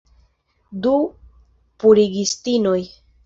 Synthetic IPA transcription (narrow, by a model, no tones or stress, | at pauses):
du | puɾiɡistino̞j